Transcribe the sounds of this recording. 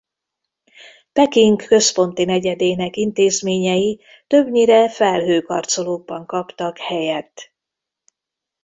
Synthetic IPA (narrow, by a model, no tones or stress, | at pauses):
pɛkiŋkːø̞spo̞nt̪inɛɟɛd̪eːnɛkint̪eːzmeːɲɛji | t̪ø̞bɲiɾɛfɛlɦøːkɒ̰rt̪so̞loːɡ̚bɒŋkɒpt̪ɒkhɛjɛt̪ː